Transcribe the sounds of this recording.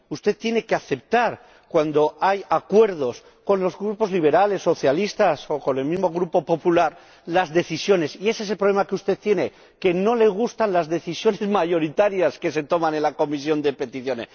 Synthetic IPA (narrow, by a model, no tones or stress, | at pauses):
ust̪e̞t̪ːje̞ne̞ke̞aθe̞p̚t̪aɾ | kwand̪o̞ajakwe̞ɾð̞o̞s | ko̞nlo̞zɣɾupo̞zliβ̞e̞ɾale̞sːo̞θjalist̪aso̞ko̞ne̞lmizmo̞ɣɾupo̞po̞pulaɾ | lazðe̞θisjo̞ne̞sie̞ses̬e̞lpɾole̞makeust̪e̞ðt̪jene̞ | ke̞no̞le̞ɣ̞ust̪anlazðe̞θisjo̞ne̞zmaʝo̞ɾit̪aɾjaske̞se̞t̪o̞manenlako̞mis̬jo̞nd̪e̞pe̞t̪iθjo̞ne̞̰s